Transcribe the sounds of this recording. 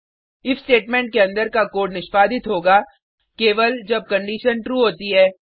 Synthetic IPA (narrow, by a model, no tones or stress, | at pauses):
ɪfsʈeːʈmẽːɳʈ̚keɐ̃nd̪əɾkakoːʈnɪʃpaːd̪ɪt̪ɦoːɡa | keːʋəld͡ʒɐb̚kɐ̃ɳɖiːʃənʈɾuːɦoːt̪iɦɛː